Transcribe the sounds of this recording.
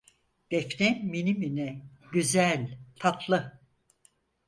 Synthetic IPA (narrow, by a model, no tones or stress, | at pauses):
d̪̥ɛfnɛnminiminɛ | ɟyzælʲt̪ʰat̪ʰlˠɯ